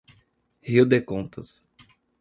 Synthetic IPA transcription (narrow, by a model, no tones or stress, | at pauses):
hiud̪ekõnt̪ɐs